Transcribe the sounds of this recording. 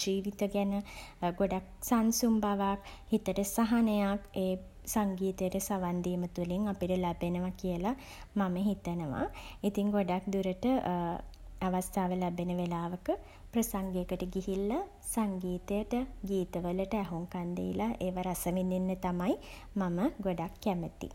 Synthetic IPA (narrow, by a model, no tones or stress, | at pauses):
d͡ʒiːʋit̪əɡɛnəɡoɖak̚sansumbaʋakhit̪əʈəsaɦanəjakeː | saŋɡiːt̪əjəʈəsaʋand̪imət̪uliŋapiʈəlabenəʋakijəla | maməɦit̪ənəʋa̰it̪iŋɡoɖak̚d̪uɾəʈə | aʋast̪ʰaːʋəlɛbenəʋelaːʋəkə | pɾɐsaŋɡejəkəʈəɡiɦilːa | saŋɡiːt̪əjəʈəɡiːt̪əʋələʈəæɦuŋkand̪ḛḭlaʔeːʋaɾasəʋinːinːət̪amai | maməɡoɖakːæmət̪ḭ